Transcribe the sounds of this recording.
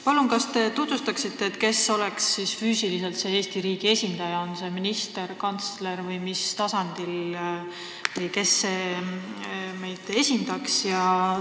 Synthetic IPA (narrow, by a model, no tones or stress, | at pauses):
pɑlunkɑst̪e̞t̪ut̪vust̪ɑksit̪ːe̞ːt̪ːˑke̞so̞le̞ksːisfyːsilis̬e̞lt̪se̞e̞ːst̪iɾiːɡ̥ie̞sʲind̪̥ɑjɑonse̞minist̪e̞ɾkɑnt̪sle̞ɾvɯjmist̪ɑsɑnd̪̥il | ke̞sːe̞ː | me̞jd̪e̞sʲind̪ɑksjɑ